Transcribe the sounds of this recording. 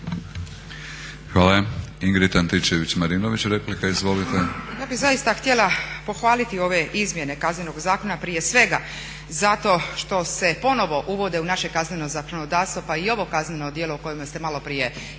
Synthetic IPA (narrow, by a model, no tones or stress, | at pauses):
xʋaːlaiŋɡɾit̪ant̪it͡ʃeʋit͡ɕmaɾinoʋit͡ɕɾeplikaizʋo̞lit̪ejaːbizajist̪axt̪je̞lˠapo̞xʋaːlit̪io̞ʋe̞ʔizmje̞ne̞kazne̞no̞ɡzaːko̞napɾije̞sʋe̞ɡa | zat̪o̞ʃt̪o̞se̞po̞no̞ʋo̞ʔuʋo̞d̪eunaʃe̞kazne̞nozakonod̪aːɾst̪ʋopaio̞ʋo̞kazne̞no̞d̪je̞louko̞jimast̪e̞malo̞pɾije̞